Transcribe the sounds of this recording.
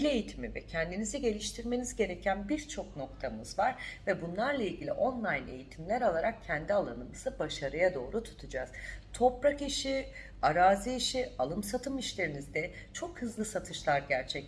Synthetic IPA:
lʲe̞jit̪ʰimivɛcʰɛnd̪iniziɟe̞lʲiʃt̪ʰiɾme̞nizɟe̞ɾe̞cʰænbiɾt͡ʃʰo̞kno̞kt̪ʰamɯzvaɾ̥vɛbunlˠaɾlˠailʲɟilʲiʔo̞nlˠajne̞̰jit̪ʰimlʲæɾo̞lˠaɾak̚cʰɛnd̪ialˠanɯmɯsɯbaʃaɾɯjad̪o̞ːɾut̪ʰu̥t̪ʰud͡ʒaːz̥t̪ʰo̞pɾakiʃi | aɾaːziiʃialˠɯmsat̪ʰɯmiʃlʲe̞ɾinizd̪ɛt͡ʃʰo̞khɯzlˠɯsat̪ʰɯʃlˠaɾɟæɾt͡ʃʰɛc

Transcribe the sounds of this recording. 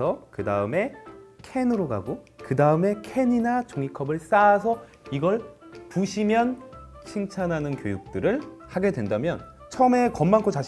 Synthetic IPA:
ʌkɯdaɯme̞kʰe̞nɯɾoɡa̰ɡo | kɯdaɯme̞kʰe̞ɲinat͡ɕoŋikʰʌbɯɭs͈aːs̬ʰʌ | iɡʌɭpuɕʰimjʌn | ɕʰiŋt͡ɕʰanɦanɯnkjojuk̚t͈ɯɾɯɭhaɡe̞dwendamjʌn | t͡ɕʰʌme̞kʌmːankʰot͡ɕa

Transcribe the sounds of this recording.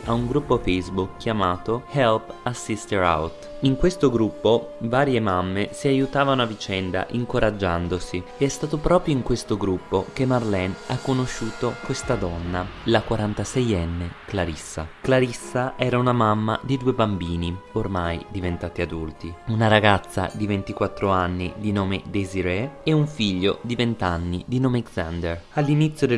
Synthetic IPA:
auŋɡɾupːofejsbukʰːjamaːt̪ohɛlpasːist̪eɾa̰wt̪ | iŋkwest̪oɡɾupːovaːɾjemamːesiajut̪aːvanoavit͡ʃɛnd̪a̰ʔiŋkoɾad͡ʒːand̪osieɛst̪aːt̪opɾɔːpɾjoiŋkwest̪oɡɾupːokemːarlɛnakːonoʃːuːt̪okwest̪ad̪ɔnːalakwaɾant̪asɛjɛnːeklaɾisːa̰klaɾisːaʔɛːɾaunamamːa̰d̪id̪uːebambiːniormajd̪ivent̪aːt̪iad̪ult̪iunaɾaɡat̪sːa̰d̪ivent̪ikwat̪ːɾoanːid̪inɔːmḛd̪eziɾeeuɱfiʎːod̪ivent̪anːid̪inoːmekzand̪eralːinit̪sːjod̪e

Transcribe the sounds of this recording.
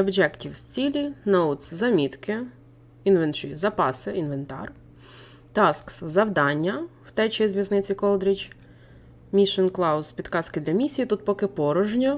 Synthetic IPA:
ɔbd͡ʒɛktʲiwsʲt͡sʲilʲinɐut̪szɐmʲit̪kɪ | inʋent͡ʃizɐpɑsɪinʋent̪ɑ̰r | t̪ɑskszɐwd̪ɑnʲːɐw̥t̪ɛt͡ʃiizʋʲjɐznɪt͡sʲikɔlˠd̪ɾit͡ʃ | mʲiʃɔnklˠɑwspʲid̪kɑskɪd̪lʲɐmʲisʲijit̪ut̪̚pɔkɪpɔɾɔʒnʲɐ

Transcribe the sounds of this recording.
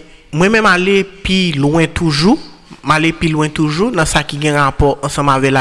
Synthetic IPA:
mwɛ̃mɛ̃malepilw̃ɛ̃t̪uʒumalepilwɛ̃t̪uʒunɐ̃sakiɡɛ̃ɣapɔʔɐ̃sɐ̃mavɛla

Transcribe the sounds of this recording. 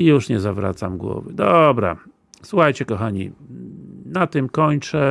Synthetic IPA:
ijuʂɲɛzavɾa̰t̪samɡwɔ̰vɘd̪ɔbɾa̰ | suxajt͡ɕɛkɔxaɲḭ | nat̪ɘmkɔɲt͡ʂɛ

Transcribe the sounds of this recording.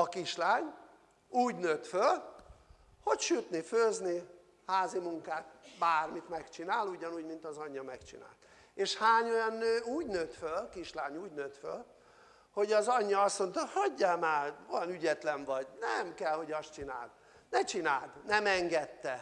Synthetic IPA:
ɒkiʃlaːɲ | uːɟnøːt̪føl | ho̞cʃyt̪niføːzni | haːzimuŋkaːt̪̚baːrmit̪mɛkt͡ʃinaːluɟɒnuːɟmint̪ɒzɒɲːɒmɛkt͡ʃḭna̰ːlt̪ | eːʃhaːɲo̞jɒnːøːuːɟnøːt̪følkiʃlaːɲuːɟnøːt̪fø̰l | ho̞ɟɒzɒɲːɒɒsmo̞nt̪ɒhɒɟːaːmaːvɒnyɟɛt̪lɛɱvɒɟnɛmkɛlho̞ɟɒst͡ʃina̰ːl | nɛt͡ʃinaːlt̪nɛmɛŋɡɛt̪ːɛ

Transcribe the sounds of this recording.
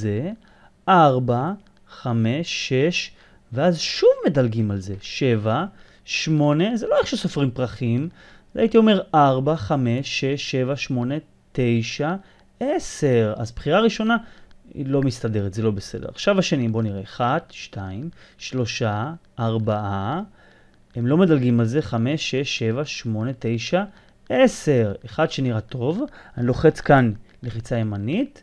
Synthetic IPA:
ze | ʔaʁba | χame̞ʃeʃ | veazʃuvme̞dalɡimalze̞ʃe̞va | ʃmo̞ne̞zelo̞eχʃusofʁimpʁaχim | za̰jit̪io̞me̞ʁaʁbaχame̞ʃeʃe̞vaʃmo̞ne̞ | t̪e̞jʃa | ese̞ʁa̰zpχiʁaʁiʃo̞naḭlo̞mist̪ade̞ʁet̪ze̞lo̞bese̞d̪eʁa̰χʃavaʃe̞nibo̞niʁeaχadʃtʰaimʃlo̞ʃaː | ʁbaʔa | emlo̞me̞dalɡimalze̞χame̞ʃeʃe̞vaʃmo̞ne̞te̞jʃa | ese̞ʁeχadʃe̞niʁato̞vanilo̞χe̞t͡skan | leχit͡saje̞manit̪

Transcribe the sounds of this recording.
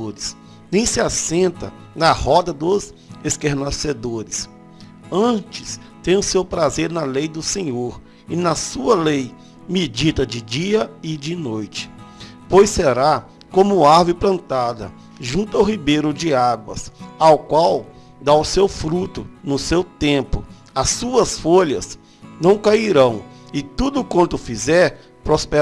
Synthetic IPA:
oɾɪs | nẽj̃sɪasẽnt̪ɐ̰ | nɐhɔd̪ɐd̪ʊz | eskeɾnased̪oɾɪs | ɐ̃t͡ʃɪ̥s | t̪ẽj̃ʊ̃sewpɾazeɾnɐlejd̪ʊsẽɲoɾ | ɪnɐsuɐlej | mid͡ʒit̪ɐd͡ʒɪd͡ʒiɐɪd͡ʒɪnojt͡ʃɪ̥ | pojseɾa | kõmʊaɾvʊɾɪplɐ̃nt̪ad̪ɐ̰ | ʒũnt̪ʊawɦibejɾʊd͡ʒɪaɡwɐ̰sawkwaw | d̪aʊsewfɾut̪ʊnʊsewt̪ẽmpʊ | ɐsuɐsfoʎɐ̰s | nɐ̃w̃kaiɾɐ̃w̃ɪt̪ud̪ʊkwɐ̃nt̪ʊfizɛɾ | pɾospe

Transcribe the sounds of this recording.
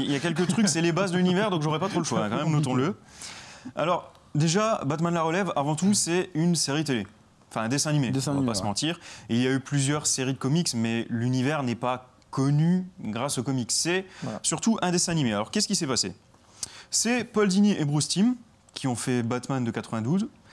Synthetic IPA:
iljakʲɛlk̬ət̪χykksɛlebazd̪əlynivɛʁd̪ɔ̃kʒɔʁɛpat̪χod̪ʃwaɛ̃kɑ̃mɛmnɔt̪ɔ̃lə | a̰lɔʁ | d̪eʒabat̪manlaʁəlɛvavɑ̃t̪usɛynseʁit̪ele | ɑ̃fɛ̃ɛ̃d̪esɛ̃animesvpasəmɑ̃t̪iʁeiljayplyzjœʁseʁid̪əkɔmiksmɛlynivɛʁnɛpa | kɔnyɡʁasokɔmiksːɛsyʁt̪uʔɛ̃d̪esɛ̃animealɔʁkʲɛskʲisɛpasḛ | sɛpɔld̪iniʔebʁust̪im | kʲiɔ̃fɛbat̪mand̪əkat̪χəvɛ̃d̪uz

